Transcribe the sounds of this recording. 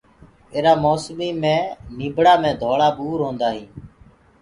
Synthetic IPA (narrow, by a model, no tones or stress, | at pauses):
eːɾaːmoːsmiːmẽːniːbɽaːmẽːd̪ʱoːɽaːɓuːɾɦõːnd̪aːɦĩː